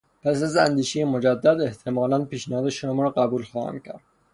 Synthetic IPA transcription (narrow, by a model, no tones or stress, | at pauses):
pʰæsæzæ̰nd̪iːʃejemod͡ʒæd̪ːæd̪e̞ht̪ʰemɒːlænpiːʃnæhɒːd̪eʃomɒɾɒɢæbuːlxɒːhæ̰mcʰæ̰ɾd̪̥